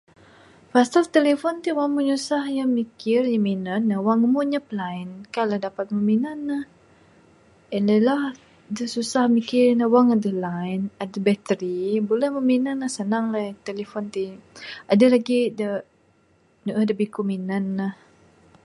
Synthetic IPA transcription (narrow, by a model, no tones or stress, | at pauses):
fasalt̪elefɔnt̪iwaŋməɲusahjamikɪrjəminənːəwaŋəmuɲapəlainkaladapat̪̚məminanːah | ɛnləlah | dəsusahmikɪrnəwaŋadəlanadəbɛt̪əɾibolɛhməminanːahsənaŋlat̪elefɔnt̪iʔadalaɡidə | nəʔədəbikuminənːah